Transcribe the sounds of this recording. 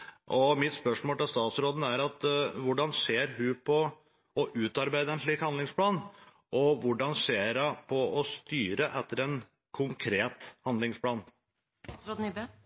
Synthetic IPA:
ʔɔmɪt̪spœʂmoːlt̪ɪlst̪ɑːt̪sɾoːd̪n̩æɾɑt̪ʋʊɖɑnseːɾɦʉpʰɔ | ɔʔʉːt̪ɑɾbæɪd̪əɛnʂɭiːkhɑnd̪lɪŋspʰlɑːn | ʔɔʋʊɖɑnseːɾɑpʰɔɔst̪yːɾəʔɛt̪ːəɾɛn | kʰʊŋkʰɾeːt̪hɑnd̪lɪŋspʰlɑːn | ɾod̪̩b

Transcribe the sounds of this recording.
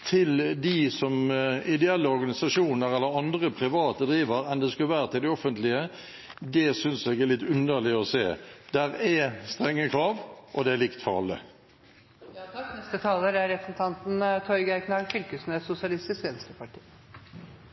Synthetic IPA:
t̪ʰɪld̪ɪsɔmɪd̪ɛɛlːəɔɾɡɑnɪsɑʂuːnəʁɛlːəɾɑnd̪ʁəpʰɾɪʋɑːt̪əd̪ɾiːʋəɾɛnd̪ɛskʉləʋæːɾət̪ʰɪld̪ɪɔfənt̪lɪə | d̪ɛsʏnsɛɡɛæɭɪt̪ːʉnːəɭɪɔseːd̪̥æɾɛst̪ʁɛŋːəkʰɾɑːʋʔɔd̪ɛælɪkt̪fɔʁɑ̰lːə̰ | ɛst̪ət̪ʰɑːləɾæɾɛpɾəsn̩t̪ʰɑnt̪n̩t̪ʰɔʏɡæɪknɑlfʏlkəsn̩ɛsʊsɪɑlɪst̪ɪskʋɛnskəpʰɑʈʰi̥ː

